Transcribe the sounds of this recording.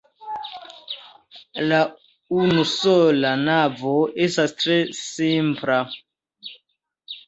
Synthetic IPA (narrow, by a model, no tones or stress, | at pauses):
la | unusolanavoestastɾesimpla